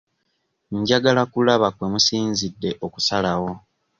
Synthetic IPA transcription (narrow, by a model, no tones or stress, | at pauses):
ɲɟaɡalakulaβakwe̞musiːnzidːe̞ʔoku̥salawo̞